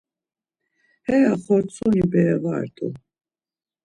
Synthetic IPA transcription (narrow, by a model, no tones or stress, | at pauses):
hɛjaχɔɾt͡sʰʼɔnibɛva̰ɾt̪ʼṵ